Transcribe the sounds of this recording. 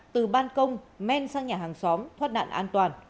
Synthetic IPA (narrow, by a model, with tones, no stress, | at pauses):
t̪ɨ˨˩ɓaː˧nkə˧wŋ͡m | mɛ˧nsaː˧ŋɲaː˨˩ɦaː˨˩ŋsɔ˨˦mt̪ʰwə˦˥t̚na̰ː˧˨nʔaː˧nt̪waː˨˩n